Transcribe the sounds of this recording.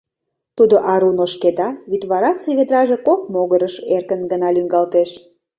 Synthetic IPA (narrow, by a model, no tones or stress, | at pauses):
t̪ud̪oʔɑɾunoʃked̪ɑβyt̪βɑɾɑt͡seβed̪ɾɑʒe̽kok̚moɣəɾəʃerkənɡənɑlyŋɡɑlt̪eʃ